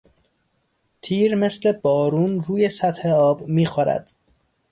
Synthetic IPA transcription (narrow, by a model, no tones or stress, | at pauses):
t̪ʰiːɾmesle̞bɒːɾuːnɾuːje̞sæt̪he̞ɒːbmiːxoɾæ̰d̪̥